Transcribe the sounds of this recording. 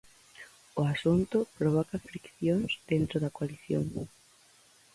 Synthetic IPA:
ʊasunt̪ʊpɾoβ̞ɔkɐfɾikθjoŋsd̪ent̪ɾoðɐkoaliθjo̰ŋ

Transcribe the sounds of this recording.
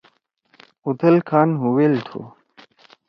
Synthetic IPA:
ut̪ʰɐlkʰaːnɦuwelt̪ʰo̰

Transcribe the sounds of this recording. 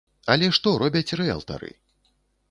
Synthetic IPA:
ɐlʲɛʂt̪ɔɾʔɔbʲɐt͡sʲrɛa̰lˠt̪a̰ɾɨ̰

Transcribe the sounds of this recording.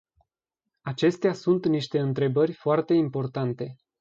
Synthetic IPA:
at͡ʃe̞st̪easunt̪niʃt̪e̞ɨnt̪ɾe̞bərʲfoart̪e̞impo̞rt̪ant̪e̞

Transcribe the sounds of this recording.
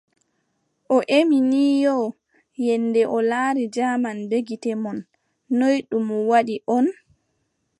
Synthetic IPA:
ʔɔʔeminiːjɔ | jɛndɛʔɔlaːɾid͡ʒamanbeɡitɛmɔnː | ojɗumɔwaɗiʔɔn

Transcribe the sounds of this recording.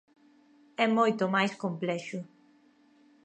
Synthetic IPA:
ɛmɔjt̪omajskõmplɛʃu

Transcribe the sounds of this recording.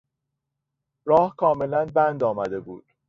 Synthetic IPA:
ɾɒːhkʰɒːme̞lænbænd̪ɒːmæd̪e̞bṵːd̪̥

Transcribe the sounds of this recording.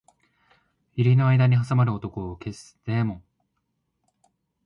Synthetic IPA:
iɾʲino̞aid̪aɲ̟iɦasamaɾɯ̟o̞t̪o̞ko̞ːke̞st̪emõ

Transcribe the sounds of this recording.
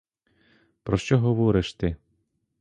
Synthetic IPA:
pɾɔʃt͡ʃɔɦɔʋɔɾɪʃt̪ɪ

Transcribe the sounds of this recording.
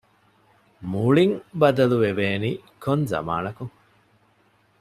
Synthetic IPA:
muɭiŋbɐd̪ɐluʋeʋeːniːkonzɐ̰ma̰ːnɐkuŋ

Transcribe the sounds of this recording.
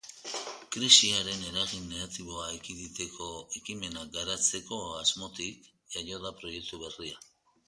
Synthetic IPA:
kɾisiaɾe̞ne̞ɾaɣinːeɣat̪iβo̞aekiðit̪e̞kʰo̞ekime̞naɡaɾat͡se̞ko̞azmo̞t̪ik | eʎo̞ðapɾo̞je̞k̚t̪uβeria

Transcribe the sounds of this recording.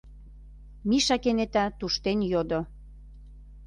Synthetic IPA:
miʃɑkenet̪at̪uʃt̪enjod̪o

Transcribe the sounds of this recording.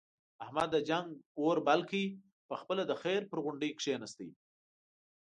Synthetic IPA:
ahmad̪ːəd͡ʒaŋɡoɾbalkəi | pəxpəlad̪əxeɾpəɾɣʊɳɖəjkʂenast̪ij

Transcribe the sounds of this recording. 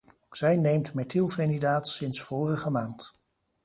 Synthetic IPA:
sɛjnejmtmɛtilˠfenidaːtsɪnsfoːrəχəmaːnt

